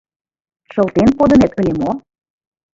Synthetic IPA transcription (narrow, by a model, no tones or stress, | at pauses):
ʃɤ̆lˠt̪enpod̪ɤ̆net̪ɤ̆lʲemo